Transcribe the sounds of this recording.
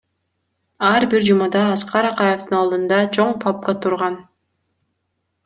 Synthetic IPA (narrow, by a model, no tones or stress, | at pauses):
ɑɾbiɾd͡ʒumɑd̪ɑːsqɑɾɑqɑjeft̪ɯnɑlˠd̪ɯnd̪ɑt͡ʃʰo̞ɴpʰɑp̚kɑt̪ʰuɾʁɑn